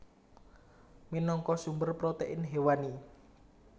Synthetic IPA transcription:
minɔŋkɔsumbərpɾot̪eʔɪnɦewani

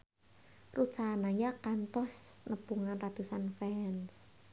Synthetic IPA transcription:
rut͡ʃanajakant̪ɔsnəbuŋanrat̪usanfɛns

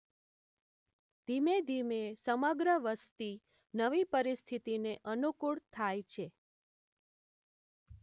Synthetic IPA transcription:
d̪̥ʱimed̪ʱimesəməɡɾəʋəst̪i | nəʋipəɾist̪ʰit̪ineʔənukuɭt̪ʰajt͡ʃʰe

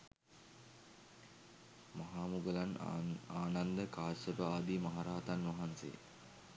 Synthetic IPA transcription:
mɐɦaːmuɡəlanaːnand̪əkaːsəbəaːd̪imaɦaɾaːt̪anʋɐɦansḛː

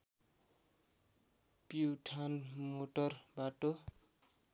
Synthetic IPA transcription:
piwʈʰanmoʈʌrbaʈo

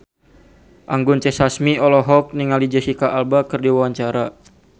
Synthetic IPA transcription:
ʔaŋɡʊnt͡ʃɛsasmiɔlɔɦɔk̚niŋalid͡ʒɛsikaʔalbakɨrdiwawaɲt͡ʃaɾa

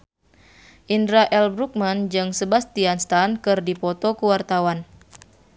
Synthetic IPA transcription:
ʔindɾaʔɛlbɾuk̚mand͡ʒɨŋsəbast̪ianst̪ankɨrdipɔt̪okuwart̪awan

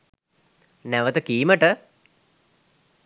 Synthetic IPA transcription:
næʋət̪əkiːməʈə

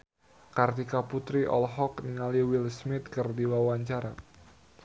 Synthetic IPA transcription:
kart̪ikaput̪ɾiʔɔ̰lɦɔkniŋaliwilsmɪt̪̚kərdiwawaɲt͡ʃaɾa̰

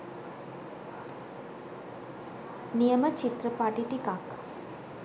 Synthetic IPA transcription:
nijəmət͡ʃit̪ɾəpaʈiʈikak

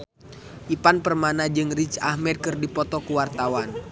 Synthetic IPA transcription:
ʔipanpərmanad͡ʒɨŋrit͡ʃa̰hmɛd̚kɨrdipɔt̪ɔkuwart̪awan

